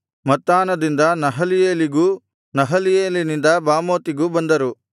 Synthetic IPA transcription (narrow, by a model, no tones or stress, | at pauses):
mɐt̪ːaːnɐd̪ind̪ɐnɐɦɐlijeːliɡuː | nɐɦɐlijeːlinind̪ɐbaːmoːt̪iɡuːbɐnd̪ɐɾu